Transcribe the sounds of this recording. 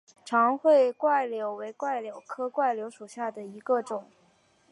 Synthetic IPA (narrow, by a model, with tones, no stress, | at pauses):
ʈ͡ʂʰɑ˧˥ŋxwe˥˩ɪkwa˥˩ɪljo˧˥ʊwe˧˥ɪkwa˥˩ɪljo˨˩ʊkʰɤ˥kwa˥˩ɪljo˧˥ʊʂu˨˩ɕja˥˩d̪ə˩i˧˥ɡə˧ʈ͡ʂʊ˨˩˦ŋ